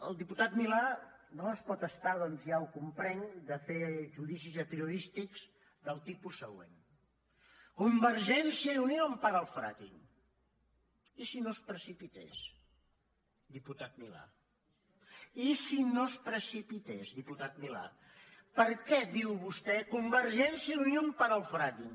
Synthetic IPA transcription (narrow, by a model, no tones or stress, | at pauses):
ə̰lˠd̪iput̪at̪milanoəspɔt̪əst̪aðɔnzjaukumpɾɛŋd̪əfeʒuðisizəpɾiuðist̪ikz | ðəlˠt̪ipusːəɣwḛn | kumbəɾʒɛnsiəiuniɾəmpaðəlˠfɾa̰t̪ḭn | isinospɾəsipit̪ḛs | d̪iput̪at̪̚mila̰ | isinospɾəsipit̪ezðiput̪at̪̚mila̰ | pəɾkɛd̪iwβust̪ɛkumbəɾʒɛnsiəunjompaɾəlˠfɾat̪in